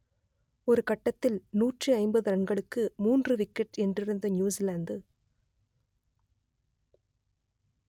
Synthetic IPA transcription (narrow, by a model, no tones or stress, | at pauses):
ɔɾɯkɐʈːɐt̪ːɪlnuːʈrɯɐɪmbɐðɯɾɐɳɡɐɭɯkːɯmuːndrɯʋɪkːɛʈɛndrɪɾɯnd̪ɐnjuːsilɐːnd̪ɯ